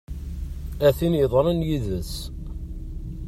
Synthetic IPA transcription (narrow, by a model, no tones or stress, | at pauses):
æθinjəðˤɾˤənjiðəs